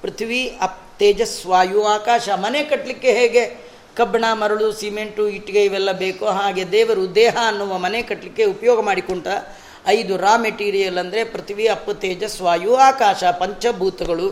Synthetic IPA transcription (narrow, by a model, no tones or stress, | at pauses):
pɾɐt̪ʰiʋiɐp̚t̪eːd͡ʒɐsʋaːjuaːkaːʃɐmɐnekɐʈlikːeɦeːɡe̞ | kɐbɐɳaːmɐɾɐɭusiːmeɳʈuiʈːiɡeiʋɛlːɐbeːkoɦaːɡed̪ɛːʋɐɾud̪ɛːɦɐːnːuʋɐmɐnekɐʈlikːe̞upɐjɔːɡɐmaːɽikoɳʈɐː | jd̪uɾaːmeʈiːɾijɐlɐnd̪ɐɾe̞pɾɐt̪ʰiʋiɐpːɐt̪eːd͡ʒɐsʋaːjuaːkaːʃɐpɐɲt͡ʃɐbʱuːt̪ɐɡɐɭu